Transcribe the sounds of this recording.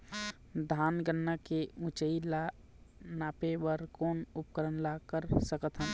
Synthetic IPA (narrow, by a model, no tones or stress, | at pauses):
d̪ʱaːnɡənːakeũt͡ʃəila | naːpewəɾkoːnʊpkəɾənlaːkəɾsəkət̪ʰɦə̃